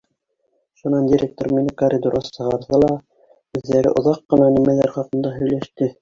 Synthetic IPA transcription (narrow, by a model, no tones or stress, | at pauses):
ʃunɑndʲiɾʲek̚t̪ŏrminɘkɐrʲid̪uɾʁɑsɤ̆ʁɑɾðɤlˠɑ | ʉððːæɾɘ̰ʔŏðɑqːɤ̆nɑnimælæɾχɑqɤ̆nd̪ɑɦɵ̆jlæʃt̪ɘ